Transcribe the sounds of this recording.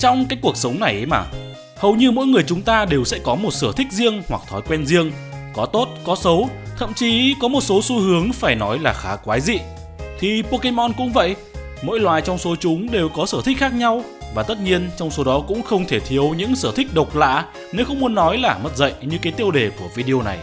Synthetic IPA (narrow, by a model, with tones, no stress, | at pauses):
t͡ɕɔ˧wŋ͡mkaː˨˦jku˨˩ək̚sə˨˦wŋ͡mna˨˩jʔjma̰ː˨˩ | hə˨˩wɲɨ˧mo̰˧˥jŋɨ˨˩əjt͡ɕʊ˨˦ŋ͡mt̪aː˧ɗe˨˩wsɛ̰˧˥kɔ˨˦mo˨˩t̚səː˧˩t̪ʰï˦˥k̟̚zi˧əŋhwa˨˩k̚t̪ʰɔ˨˦jkwɛ˧nzi˧əŋkɔ˨˦t̪o˦˥t̚kɔ˨˦sə˨˦wt̪ʰə̰˧˨mt͡ɕi˨˦kɔ˨˦mo˨˩t̚so˨˦su˧hɨ˨˦əŋfaː˧˩jnɔ˨˦jlaː˨˩xaː˨˦kwaː˨˦jzḭ˧˨ | t̪ʰi˨˩po˧ke˧mɔ˧nkʊ̰˧˥ŋ͡mvə̰˧˨jʔ | mo̰˧˥jlwaː˨˩jt͡ɕɔ˧wŋ͡mso˨˦t͡ɕʊ˨˦ŋ͡mɗe˨˩wkɔ˨˦səː˧˩t̪ʰi˦˥k̚xaː˦˥k̚ɲa˧w | vaː˨˩t̪ə˦˥t̚ɲi˧ənt͡ɕɔ˧wŋ͡mso˨˦ɗɔ˨˦kʊ̰˧˥ŋ͡mxə˧wŋ͡mt̪ʰe˧˩t̪ʰi˨˦əwɲɨ̰˧˥ŋsəː˧˩t̪ʰï˦˥k̟̚ɗə˨˩wk͡p̚la̰ː˧˨ | ne˨˦wxə˧wŋ͡mmu˨˦ənːɔ˨˦jlaː˨˩mə˦˥t̚zə̰˧˨jɲɨ˧kaː˨˦jt̪i˧əwɗe˨˩ku˧˩əvi˧ɗi˧o˧na˨˩j